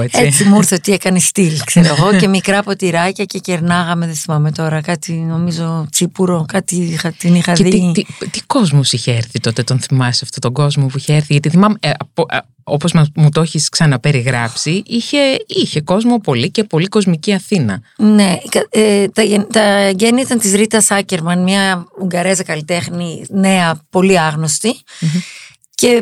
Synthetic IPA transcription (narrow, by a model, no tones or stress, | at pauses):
et͡seiimuɾθet̪iekɐnest̪ilkseɾoeɣo̞ce̞mikɾɐpo̞t̪iɾɐcɐce̞ce̞ɾnɐɣɐmeðeθimɐme̞t̪o̞ɾɐkɐt̪ino̞mizo̞t͡sipuɾo̞kɐt̪iixɐt̪inixɐðeiit̪it̪iko̞zmosiçeeɾθit̪o̞t̪et̪onθimɐsɐft̪ot̪o̞ɡo̞zmopuiçeeɾθiʝɐt̪iθimɐmeɐpo | opo̞zmɐmut̪oçisksɐnɐpe̞ɾiɣɾɐpsiʔiçe̞içe̞ko̞zmo̞po̞lice̞po̞liko̞zmiciɐθinɐne̞kɐt̪ɐent̪ɐeɟeniit̪ɐnt̪izɾit̪ɐsɐceɾmɐnmɲɐuŋɡɐɾezɐkɐlit̪e̞xnine̞ɐpo̞liɐɣno̞st̪i | ce̞